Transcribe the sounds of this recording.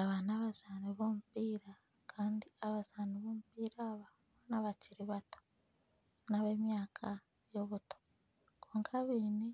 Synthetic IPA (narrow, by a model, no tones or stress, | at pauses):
aβanaβaz̥aːniβoːmupiːɾa | kʰaːndiaβazaːniβoːmupiːɾaːβa | βnaβaciɾiβato̥ | naβe̞ːmjaːkʰa | jo̞βuto̥ | kʰoːŋkʰaβiːni